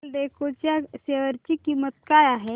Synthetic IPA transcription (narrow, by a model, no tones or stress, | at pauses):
lɖekot͡ʃjaseʋəɾt͡ʃikimət̪̚kajaɦɛ